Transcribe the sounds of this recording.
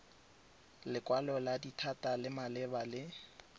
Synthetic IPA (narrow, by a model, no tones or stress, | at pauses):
lɪkʼwalɔladitʰatʼalɪmalɪbalɪ